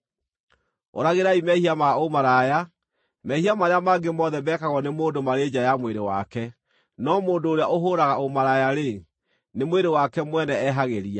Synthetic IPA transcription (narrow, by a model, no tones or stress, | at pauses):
o̰ɾaɣeɾaimɛhiamaomaɾaja | mɛhiamaɾeamaɡemɔðɛbɛːkaɣɔnemoːndomaɾeːd͡ʑajamweɾewa̰kɛ | nɔmoːndoːɾeaʔoɦoɾaɣaomaɾajaɾe | nemweɾewakɛmwɛnɛɛɦaɣeɾia